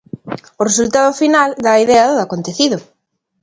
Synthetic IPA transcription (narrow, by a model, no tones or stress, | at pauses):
ʊresult̪aðʊfinald̪aiðɛɐðoakont̪eθiðʊ